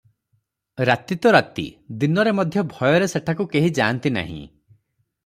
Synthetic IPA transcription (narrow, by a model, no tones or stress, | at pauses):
ɾat̪it̪ɔɾat̪ḭd̪inɔɾemɔd̪ʱjɔbʱɔjɔɾeseʈʰakukeɦid͡ʒaːnt̪ina̰ɦḭ̃